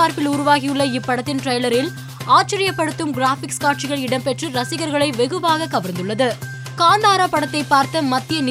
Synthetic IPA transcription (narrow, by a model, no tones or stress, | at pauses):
aːɾpɪlʊɾʊʋaːɣɪjɯɭːɐɪpːɐɽɐt̪ːɪnʈrɐjlɐɾɪl | aːʈ̚t͡ʃɪɾɪjɐpːɐɽɯt̪ːɯmɡɪɾaːfɪkskaːʈ̚t͡ʃɪɣɐɭɪɽɐmpɛʈrɯɾɐsɪɣɐɾɣɐɭɐɪʋɛɣɯʋaːɣɐkɐʋɐɾnd̪ɯɭːɐðɯ | kaːnd̪aːɾɐpɐɽɐt̪ːɐɪpːaːɾt̪ɐmɐt̪ːɪjɐnɪ